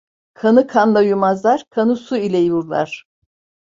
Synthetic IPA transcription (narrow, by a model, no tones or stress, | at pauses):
kʰanɯkʰanlˠajumazlˠaɾ̥kʰanɯsuilʲɛjuɾlˠa̰ɾ̥